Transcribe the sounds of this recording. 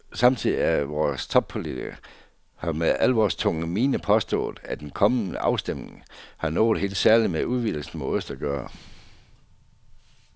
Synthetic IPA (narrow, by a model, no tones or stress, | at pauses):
sɑ̈mt͡sʰið̰ˠiæʋɒːst͡sʰɒ̽b̥̚pʰo̝lit͡sʰiɡ̥ɐ | hɑ̈meælʋɒst͡sʰɔ̽ŋəmiːnəpʰɒ̽sd̥ɔ̰̽ːðˠæd̥enkʰɒ̽mənəʔɑ̈ʊsd̥emne̝ŋhɑ̈nɔ̰̽ːð̩ˠhe̝̰ːld̥sæɐlimeuðˠʋil̰l̩sn̩meøsd̥ɐɡ̥ɶːɐ